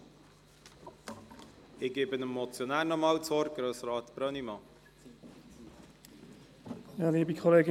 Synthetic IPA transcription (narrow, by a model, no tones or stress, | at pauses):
ɪɡ̥eːbənəmːɔt͡sjɔnæːɾnɔmɑːlt͡sɔɾɡ̥ɾøːsɾɑːt̪b̥ɾœnimɑː | jaːliːbikʰɔleːɡɪ